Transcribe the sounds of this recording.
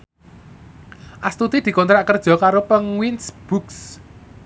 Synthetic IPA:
ʔast̪ut̪id̪̥i̤kɔnt̪ɾaʔkərd̥ʒ̥ɔ̤kaɾopəŋwinsb̥uks

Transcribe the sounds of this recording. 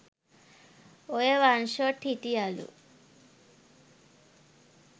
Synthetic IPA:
ojeʋanʃoʈʰiʈijalṵ

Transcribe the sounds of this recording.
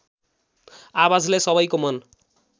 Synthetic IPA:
awad͡zlesʌβʌjkomʌn

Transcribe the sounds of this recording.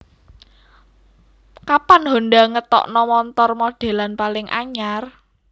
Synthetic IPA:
kapanɦo̤nɖaŋət̪ɔ̰ʔnɔmɔnt̪ɔrmoɖ̥e̤lanpalɪŋʔa̰ɲar

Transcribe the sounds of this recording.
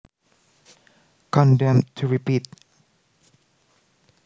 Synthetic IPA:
kʰɔ̃ndɛ̃mtʰuɹipit̚

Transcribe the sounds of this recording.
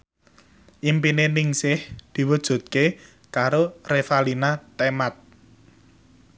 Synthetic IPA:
ʔimpinenɪŋsɪhd̪̥i̤wud̥ʒ̥ṳt̪̚ke | kaɾorefalinat̪emat̪̚

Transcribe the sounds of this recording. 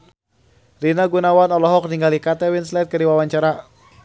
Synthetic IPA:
rinaɡunawanɔlɔɦɔk̚niŋɡalikat̪ɛwinslɛt̪̚kəɾiwawaɲt͡ʃaɾa

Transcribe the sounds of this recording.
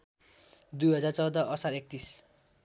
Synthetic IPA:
d̪ujɦʌd͡zart͡sʌwd̪ʌʔʌsaɾek̚t̪is

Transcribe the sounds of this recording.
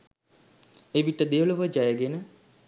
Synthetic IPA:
eʋiʈəd̪eəluʋəd͡ʒajəɡenə

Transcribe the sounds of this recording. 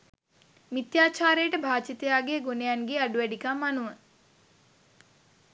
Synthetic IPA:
mit̪jaːt͡ʃaːɾejəʈəbʱaːt͡ʃit̪ejaːɡeɡonejanɡeːaɖuʋæɖikamːanuʋə

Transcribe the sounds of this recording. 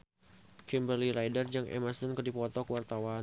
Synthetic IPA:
kimbəliɾajdərd͡ʒaŋʔɛ̰masənkərdipɔt̪ɔkwart̪awan

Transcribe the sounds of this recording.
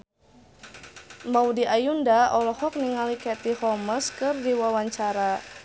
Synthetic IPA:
mawdiʔajundaɔlɔhɔk̚niŋalikɛt̪ihɔməskɨrdiwawaɲt͡ʃaɾa

